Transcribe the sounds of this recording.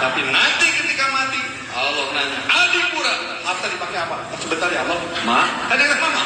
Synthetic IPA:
t̪apimənant̪ɪkət̪ikamat̪i | alɔmənaɲaʔadupuɾaamasadipaŋkajapajasəbənt̪arjalɔmaadanamama

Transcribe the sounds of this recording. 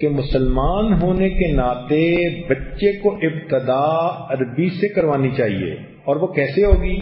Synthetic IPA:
kemʊsəlmaːnɦoːnekenaːt̪ebɐtːʃekoʔɪbt̪əd̪aːɐɾbisekɐɾʋaːnit͡ʃaːɦḭḛː | ɔːɾʋokɛːseɦoːɡiː

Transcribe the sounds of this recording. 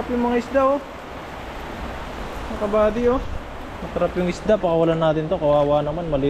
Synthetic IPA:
pjʊŋmɐŋaɪsd̪ao | mɐkɐbaːd̪ɪo | mɐt̪ɐɾapjʊŋɪsd̪apɐkɐwɐlanːaːt̪ɪnt̪o̞kɐwaːwaːnɐmanmɐli

